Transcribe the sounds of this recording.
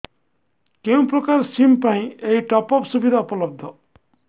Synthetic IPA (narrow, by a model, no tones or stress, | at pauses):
keũprʌkarsimpaɦĩeiʈɔpɔpsubid̪ʱaupɔlʌb̚d̪ʱʌ